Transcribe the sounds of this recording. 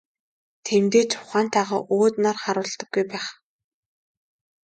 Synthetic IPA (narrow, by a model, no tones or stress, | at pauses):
t̪ʰemt̪eːt͡ɕʰʊχaːnt̪ʰaʁa̰ːʔoːt̪narχaɾʊːɮt̪ɞ̆ɡːujpæːχ